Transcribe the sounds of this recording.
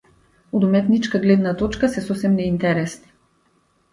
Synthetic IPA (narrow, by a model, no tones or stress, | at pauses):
od̪umɛt̪nit͡ʃkaɡlɛd̪nat̪ɔt͡ʃkasɛsɔsɛmnɛint̪ɛɾɛsni̥